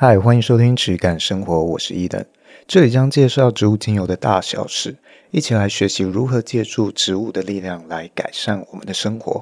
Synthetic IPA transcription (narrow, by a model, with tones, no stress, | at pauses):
a˥jɛ˨˩xwa˥ni˧nʂo˥ʊt̪ʰi˥ŋʈ͡ʂʰɻ̩˧˥ka˨˩nʂɤ˥ŋxwɔ˧˥˦wu˨˩ʂɻ̩˧˥i˥˩t̪ə̰˧˥n | ʈ͡ʂɤ˥˩li˨˩t͡ɕjɑ˥ŋt͡ɕjɛ˥˧ʂɑ˥˩ʊʈ͡ʂɻ̩˧˥u˥˩t͡ɕi˥ŋjo˨˩ʊd̪ə˧˦t̪a̰˥˩ɕjɑ̰˨˩ʊʂɻ̩˥˩ | i˥˩t͡ɕʰi˨˩la˧˥ɪɕɥɛ˧˥ɕi˧˥ɻu˧˥xɤ˧˥t͡ɕjɛ˥˧ʈ͡ʂu˥˩ʈ͡ʂɻ̩˧˥u˥˩d̪ə˨li˥˧ljɑ˥˩ŋla˧˥ɪka˨˩ɪʂa˥˩nwɔ̰˨˩mə̰˨˦nd̪ə˧ʂɤ˥ŋxwɔ̰˧˥˦